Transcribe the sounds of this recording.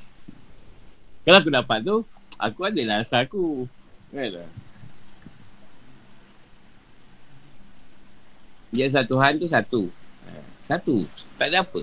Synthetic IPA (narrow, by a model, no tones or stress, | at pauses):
kalaak̬udapat̪̚t̪ua̰kuadəlasaaku | ala̰ | d͡ʒas̬at̪uɦant̪us̬at̪uə̰sat̪ut̪aʔdəapə̰